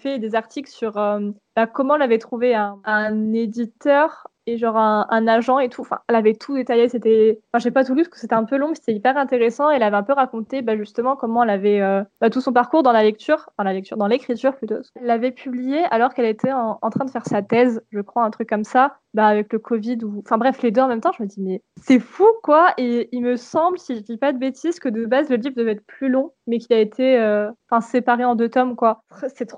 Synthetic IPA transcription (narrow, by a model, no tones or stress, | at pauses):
fɛd̪ezaʁt̪iklsyʁø | b̥akɔmɑ̃ɛlavɛt̪χuveɛ̃ɛ̃ned̪it̪œʁ | eʒɑ̃ʁɛ̃ʔɛ̃naʒɑ̃et̪ʰuɑ̃fɛ̰̃ɛlavɛt̪ʰud̪et̪ajeset̪ɛɑ̃fɛ̃ʒavɛpat̪̬ulypkə̥set̪ɛɛ̃pølɔ̃pse̥t̪ɛipɛʁɛ̃t̪eʁesɑ̃eɛlavɛɛ̃pøʁakɔ̃t̪ebaʒyst̪əmɑ̃kɔmɑ̃ɛlavɛøb̥at̪usɔ̃paʁkuʁd̪ɑ̃lalɛk̚t̪yːʁd̪ɑ̃lalɛk̚t̪y̰ʁd̪ɑ̃lekχit̪yʁplyt̪oɛlːavɛpʰyblijeʔalɔʁkɛlet̪ʰɛɑ̃ɑ̰̃t̪χɛ̃d̪əfɛʁsat̪ɛzʒəkχwaɛ̃t̪χykːɔmsa | baːvɛkləkʰɔvid̪uɑ̃fɛ̃bʁɛfled̪øɑ̃mɛmt̪ɑ̃ʒəməd̪imɛ | sɛfukwaeilməsɑ̃bləsiapad̪əbet̪izkəd̪əbazləlivd̪əvɛt̪χəplylɔ̃mɛkʲiaet̪ʰeøɑ̃fɛ̃sepaʁeɑ̃d̪øt̪ɔmkwa | sɛt̪χ